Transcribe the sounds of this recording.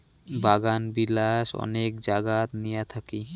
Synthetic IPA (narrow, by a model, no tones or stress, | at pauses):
baɡanbilaʃɔ̰nekd͡ʒaɡat̪nijat̪ʰaki